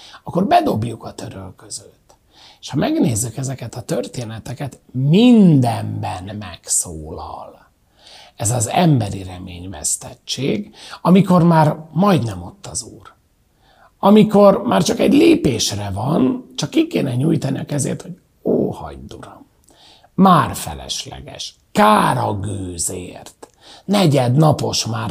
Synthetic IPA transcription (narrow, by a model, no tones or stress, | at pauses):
ɒkːo̞rbɛd̪o̞bjukɒt̪ø̞ɾølkøzøt̪ː | eːʃhɒmɛɡneːzːykɛzɛkɛt̪ɒt̪ørt̪eːnɛt̪ɛkɛt̪ | mind̪ɛmbɛnmɛksoːlɒ̰l | ɛzɒzɛmbɛɾirɛmeːɲvɛ̰st̪ɛt͡ʃːeːɡɒmiko̞rmaːrmɒjd̪nɛmo̞t̪ːɒzuːr | ɒmiko̞rmaːrt͡ʃɒkɛɟleːpeːʃrɛvɒnt͡ʃɒkːikeːnɛɲuːjt̪ɒniɒkɛzḛːrt̪ho̞ɟ | oːhɒ̰ɟd̪uɾomː | aːrfɛ̰lɛ̰ʃlɛ̰ɡɛ̰ʃ | kaːɾɒɡøːzḛːrt̪ | nɛɟɛd̪nɒpo̞ʃmaːr